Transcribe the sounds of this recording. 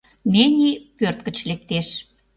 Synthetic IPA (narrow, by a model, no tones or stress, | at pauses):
nenʲipørt̪̚kə̆t͡ɕlek̚t̪eʃ